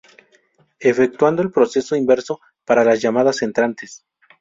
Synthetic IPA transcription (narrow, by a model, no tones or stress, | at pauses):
e̞fe̞k̚t̪wand̪o̞e̞lpɾo̞se̞so̞imbe̞ɾso̞ | paɾalazʝamaðase̞nt̪ɾant̪es